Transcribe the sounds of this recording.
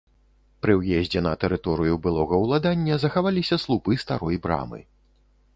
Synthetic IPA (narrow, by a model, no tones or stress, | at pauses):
pɾɨwjɛzʲd͡zʲɛnɐt̪ɛɾɨt̪ɔɾɨjubɨlˠɔɣɐwlˠad̪anʲːɐzɐxavalʲisʲɐslˠupɨst̪a̰ɾɔjbɾa̰mɨ̰